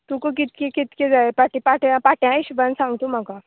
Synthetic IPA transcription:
t̪ukok̬it̪̚kekit̪ked͡zaepaʈipaʈjãpaʈjãiɕbənsãŋɡt̪om̤aka

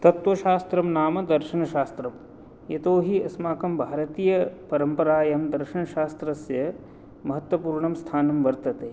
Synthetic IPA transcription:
t̪ɐt̪ʋɐʃaːst̪ɾɐmnaːmɐd̪ɐɾʃɐnɐʃaːst̪ɾɐm | jɐt̪oːɦiɐsmaːkɐmbʱaːɾɐt̪iːjɐpɐɾɐmpɐɾaːjɐmd̪ɐɾʃɐnɐʃaːst̪ɾɐsjɐ | mɐɦɐt̪wɐpuːɾɳɐmst̪ʰaːnɐmʋɐɾt̪ɐt̪eː

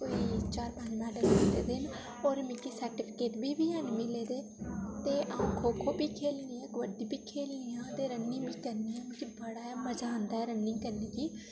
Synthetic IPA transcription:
koːiːt͡ʃaːɾbʱə̃nnãːɖəkaːd̪ḛːd̪ɪn | oːɾmɪkiːsəɾʈɪːpʰɪkeːʈ̪biːbiːɦənmɪleːd̪eː | t̪eːʔãkʰoːkʰoːbiːkʰeːlniːɛ̃ːɡʋəɖiːbiːkʰeːlniːãːt̪eːɾənːĩːbiːkəɾniːãːmɪkibəɽaːɛːməd͡ʒaːnd̪aːɛːɾəniːkəɾniːɡiː

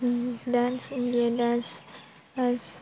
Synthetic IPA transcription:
dãnsindiadãns | ans

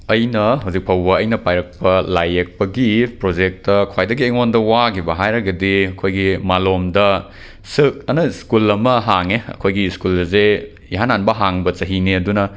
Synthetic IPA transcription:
ɐjnɐɦɐwzik̚pʰɐwbɐɐjnɐpajɾɐk̚pɐlajːek̚pɐɡipɾod͡ʒek̚tɐkʰwajdɐɡieŋondɐwaɡibɐɦajɾɐɡɐdiɐkʰojɡimalomdɐ | sɯk̚ɐnɐskulɐmɐɦaŋeɐ̰kʰojɡiskulɐze | iɦananbɐɦaŋbɐt͡ʃɐɦiniɐdunɐ

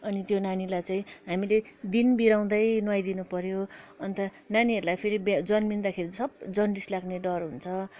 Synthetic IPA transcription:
ʌnit̪jonanilajt͡saĩɦamiled̪inbiɾaw̃d̪ʌjnwajd̪inupʌɾjoʌnt̪ʌ | naniɦʌɾulajpʰeɾibd͡zʌnmind̪akʰeɾisʌb̚d͡zʌnɖislaɡneɖʌrɦunt͡sʰʌ

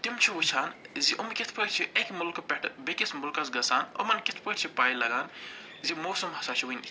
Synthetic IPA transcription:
t̪imt͡ʃʰiut͡ʃʰaːnziʔomkit̪ʰpɐʈt͡ʃʰiʔekmʊlkpɛʈʰbikisʰmulkɐsɡɐsaːno̰mɐnkit̪ʰpɐʈt͡ʃʰipaːjlɐɡaːn | zimoːsɐmɦɐsaːt͡ʃʰiwin

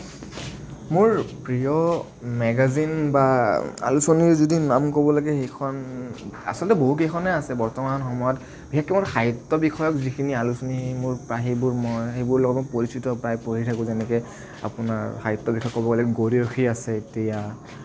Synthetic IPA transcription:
mʊɹpɹijɔ | mɛɡazinbaa̰lusoniɹzodinamkobɔlaɡɛxejkʰɔna̰sɔltɛboɦuk̬ejkʰɔnɛasɛbɔɹtɔmanxɔmɔjɔt | b̥ʱixekːɛmʊɹxʰajutːɔbixɔjɔkzikʰinialusonimʊɹpaɦibʊɹmɔjxejbʊɹlɔɡɔtmɔjpoɹistitɔpɹajpoɹitʰakʊ̃zɛnɛkɛ | a̰pʊnaɹxʰajutːɔbikʰɔjɔkobɔɡɔlaɡɛɡoɹioxiasɛetija

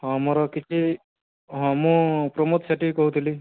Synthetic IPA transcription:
ɔmɔɾɔkit͡ʃʰi | ɦɔ̃mũpɾɔmot̪saʈikɔɦut̪ʰili

